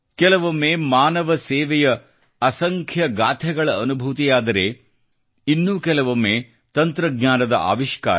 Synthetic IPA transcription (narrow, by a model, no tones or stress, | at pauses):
kɛlɐʋomːeːmaːnɐʋɐsɛːʋɛjɐː | sɐŋkʰjɐɡaːt̪ʰɛɡɐɭɐːnubʱut̪ijaːd̪ɐɾeː | inːuːkɛlɐʋomːeː | t̪ɐnt̪ɾɐɡɲaːnɐd̪ɐ̰ʔa̰ːʋiʃka̰ː